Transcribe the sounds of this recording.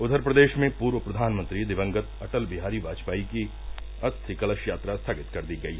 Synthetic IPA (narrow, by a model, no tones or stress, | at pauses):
ʊd̪əɾpɾɐd̪eːʃmẽpuːɾʋəpɾɐd̪ʱaːnmə̃nt̪ɾid̪ɪʋə̃ŋɡət̪ɐʈəlbɪɦaːɾiʋaːt͡ʃpaːiki | ɐst̪ʰɪkɐləʃjaːt̪ɾast̪ʰaːɡɪt̪kɐɾd̪iɡɐiːɦɛ